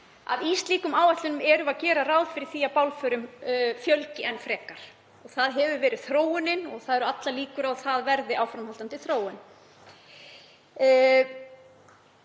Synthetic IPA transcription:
a̰ðiːst̪liːkʏmaːwaht̪lʏnʏmɛɾʏvaðcɛːɾaraːwðfɪɾɪ̥θiːapawlfœɾʏmfjœlcɪɛnːfɾɛːkaɾ̥ | ɔɣθaðɦɛvʏvɛːɾɪð̥θɾoːwʏnɪnɔɣθaðɛɾʏat̪laliːkʏɾawθaðvɛɾðɪawfɾamhalt̪ant̪ɪlθɾoːwʏn

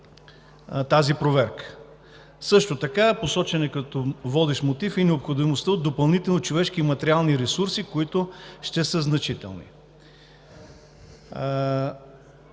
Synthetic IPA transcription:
t̪azipɾovɛɾkə̥ | sɤʃt̪ot̪ɐkaposɔt͡ʃɛnɛkɐt̪ɔvɔd̪ɛʃmot̪ifinɛopxod̪imost̪əotd̪ːopɐlˠnit̪ɛlˠnot͡ʃovɛʃk̟iːmɐt̪ɛɾialˠniɾɛsuɾsikoit̪ʊʃt̪ɛsəznɐt͡ʃit̪ɛ̰lˠnḭ

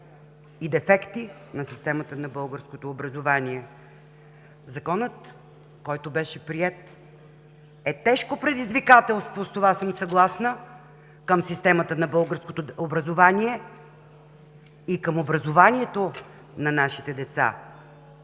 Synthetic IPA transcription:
id̪ɛfɛkt̪i | nɐsist̪ɛmət̪ənɐbɤlˠɡəɾskot̪oːbɾɐzovaniɛ | zɐkɔnət̪ | kɔjt̪ʊbɛʃɛpɾiɛt̪ | ɛt̪ɛʃkopɾɛd̪izvikat̪ɛlˠst̪vost̪ovasəmsɐɡlˠasnə | kəmsist̪ɛmət̪ənɐbɤlˠɡəɾskot̪oobɾɐzovaniɛ | ikəmobɾɐzovaniɛt̪o | nɐnaʃit̪ɛd̪ɛt̪sa̰

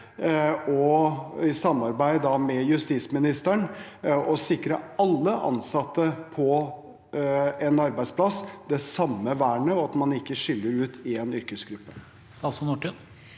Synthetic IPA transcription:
ɔɪsɑmːɑɾbæɪd̪ɑmɛjʉst̪iːsmɪnɪst̪æɳ | ɔsɪkɾəɑlːəʔɑ̰nsɑt̪ːəpʰɔ | ɛnɑɾbæɪspʰlɑsd̪ɛsɑmːəʋæːɳəɔɑt̪mɑnɪkːəʂʏlːəɾʉːt̪ʰɪɛnʏɾkəsɡɾʉpːə | st̪ɑsʊnuʈʉn

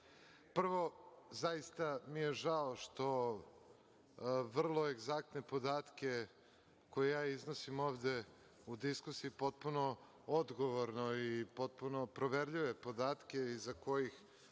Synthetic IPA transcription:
pr̩ʋo̞zajist̪amijeʒaoʃt̪o̞ | ʋr̩lˠo̞eɡzakt̪ne̞po̞d̪aːt̪kʲe | ko̞jejaːiznosimo̞ːʋd̪e̞ | ud̪iskusiipo̞t̪̚puno̞ | od̪ɡo̞ʋoɾnoipo̞t̪̚puno̞pɾoʋeɾʎiʋe̞po̞d̪aːt̪kʲeizako̞jix

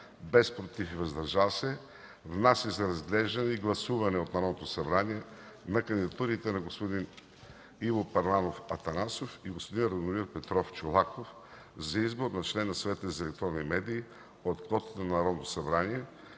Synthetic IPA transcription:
bɛspɾot̪ifivɐzd̪ɐɾʒavsɛ | vnasizɐɾɐzɡlɛʒd̪ɐnɛiɡlˠɐsuvɐnɛot̪nɐɾɔd̪not̪osɐbɾaniɛnɐkənd̪id̪ɐt̪uɾit̪ɛnɐɡospod̪in | ivopɐɾlˠanofɐt̪ɐnasofiɡospod̪inɾɐd̪omiɾpɛt̪ɾɔft͡ʃolˠakof | zɐizboɾnɐt͡ʃlɛnːɐsvɛt̪əzɐɛlɛk̚t̪ɾɔnːimɛd̪iː | ot̪klˠɔt̪ə̥t̪ənɐnɐɾɔd̪not̪o̥sɐbɾaniɛ

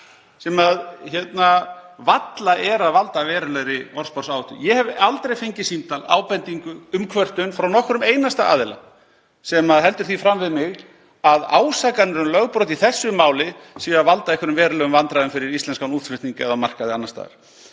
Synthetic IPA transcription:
sɛmaðçɛt̪navat̪laʔɛɾaðvalt̪avɛːɾɪlɛɣɾɪɔr̥spɔrsaːwʏht̪ʏ̰jɛhɛvalt̪ɾejfejɲcɪsint̪ala̰ːwpɛnt̪iŋkʏʏmkʰvœr̥t̪ʏnfɾawnɔhkɾʏmeːjnast̪aaːðɪla̰ | sɛmaðɦɛl̪t̪ʏɾ̥θifɾamvɪðmɪɣ | aðaːwsakanɛɾʏmlœɣpɾɔt̪iθɛsːʏmaːwlɪsiːaðvalt̪aɛhkʏɾʏmvɛːɾʏlœɣʏmvant̪ɾaðʏmfɪɾɪɾist̪lɛnskawnuːt̪fʏt̪niŋkaɛðamar̥kaðɪanːast̪a̰ːða̰ɾ̥

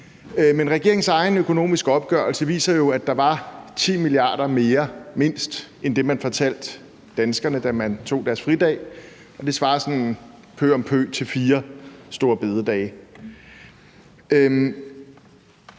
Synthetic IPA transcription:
menʁɛɡ̥e̝ɐe̝ŋ̩sɑ̈ɪnøkʰo̝no̝̰ːmisɡ̥əɒ̽b̥̚ɡ̥ɶɐlsəʋḭːsɐjo̝æd̥ɑ̈ʋɑ̈t͡sʰḭːmiliɑ̰̈ːɾ̥ɐme̝ːɐme̝n̰sd̥ | end̥e̝mænfɒ̽t͡sʰæl̰d̥ː | ænsɡ̥ɐnəd̥æmænt͡sʰo̝̰ːd̥æɐsfʁid̥ɛ̰ː | ɒ̽d̥e̝sʋɑ̈ːsɒ̽nnn | pʰø̰ːɒ̽mpʰø̰ːt͡sʰe̝lfiːɐsd̥o̝ːɐb̥e̝ð̞ˠəd̥ɛ̰ːɪ

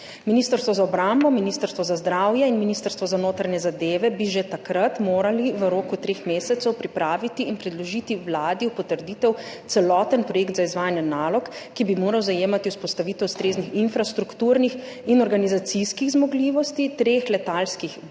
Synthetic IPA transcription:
miniːst̪əɾst̪ʋɔzaɔbɾambɔminist̪əɾst̪ʋɔzazd̪ɾawjɛinminiːst̪əɾst̪ʋɔzanoːt̪ɾaɲɛzad̪eːʋɛbiʒet̪akɾat̪moːɾaliʋəɾoːkut̪ɾeːxmeːsɛt̪sɛwpɾipɾaːʋit̪iːnpɾɛd̪lɔʒiːt̪iwlaːd̪iwpɔt̪əɾd̪iːt̪ɛw | t̪sɛlɔt̪ənpɾɔjeːkt̪zaizʋaːjanjɛnaːlɔkːibimoːɾawzajeːmat̪iwspɔst̪aʋiːt̪ɛwst̪ɾeːznixinfɾast̪ɾukt̪uːɾnix | inɔɾɡanizat̪siskiɣzmɔɡliʋɔst̪it̪ɾeːxlɛt̪alskix

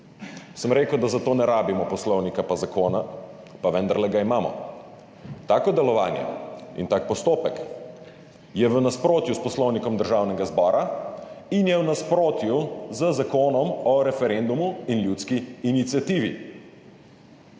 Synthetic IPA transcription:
səmɾeːkəwd̪azat̪oːnɛɾaːbimɔpɔslɔwnikapazakoːna | paʋɛnd̪əɾlɛɡaimaːmɔ̰ | t̪aːkɔd̪ɛlɔʋaːnjɛ̰ḭnt̪ak̚pɔst̪oːpɛk | jɛʋənaspɾoːt̪juspɔslɔwnikɔmd̪əɾʒawnɛɡazbɔːɾa | injɛwnaspɾoːt̪juzəzakoːnɔmɔɾɛfɛɾend̪umuinljuːt̪skiːnit̪sjat̪iːʋi

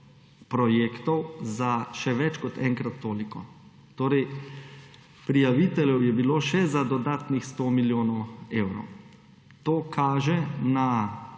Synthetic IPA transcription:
pɾɔjeːkt̪ɔwzaʃɛʋɛt͡ʃkɔt̪ɛŋkɾat̪ːoːlikɔ | t̪oːɾɛj | pɾijaʋit̪ɛljɛwjɛbiloːʃɛzad̪ɔd̪aːt̪nixst̪oːmiljoːnɔwewɾɔ̰w | t̪oːkʰaːʒɛna

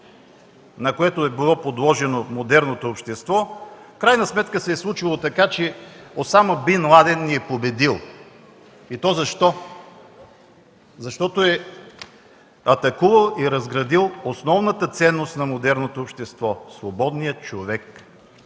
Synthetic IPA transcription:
nɐkoɛt̪oɛbilˠɔpod̪lˠɔʒɛnomod̪ɛɾnot̪oːpʃt̪ɛst̪vɔfkɾajnɐsmɛt̪kəsɛːslˠut͡ʃilˠot̪ɐkat͡ʃɛot̪saməbinlˠad̪ɛnːiɛpobɛd̪ilˠ | it̪ɔzɐʃt̪ɔ | zɐʃt̪ɔt̪oɛ | ɐt̪ɐkuvɐlˠiɾɐzɡɾɐd̪ilˠosnɔvnət̪ət̪sɛnːost̪nɐmod̪ɛɾnot̪oːpʃt̪ɛst̪vɔsvobɔd̪nijət͡ʃovɛk

